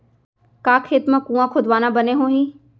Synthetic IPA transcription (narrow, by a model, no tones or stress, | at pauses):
kaːkʰeːt̪mə̃kũːãkʰʊd̪ʋaːnabəneɦõɦĩː